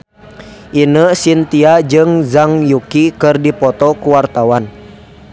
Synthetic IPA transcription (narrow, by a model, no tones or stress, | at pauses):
ʔinəsint̪iad͡ʒɨŋzaŋjukikɨrdipɔt̪ɔkuwart̪awan